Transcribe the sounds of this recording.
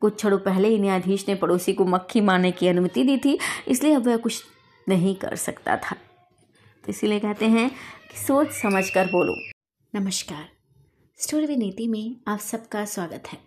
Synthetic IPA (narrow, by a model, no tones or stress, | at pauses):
kʊt͡ʃ̚t͡ʃʰɐɽopɛɦleɪnjaːd̪ʱiːʃnepɐɽoːsikomɐkʰːimaːɾnekiɐnʊmət̪id̪iːt̪ʰiɪ̰slieɐbʋɛɦkʊt͡ʃʰ | nɐɦĩkɐ̰ɾsɐ̰kt̪a̰t̪ʰaː | t̪oɪsiliekɛɦt̪eɦɛ̃ki̥soːt͡ʃsɐməd͡ʒʱkɐɾboːlo̰ː | nɐməʃkaːɾ | sʈoːɾʋineːt̪imẽaːpsɐb̚kaswaːɡət̪ɦɛː